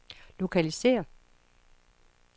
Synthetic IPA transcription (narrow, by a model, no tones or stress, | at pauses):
lo̝kʰælise̝̰ːɐ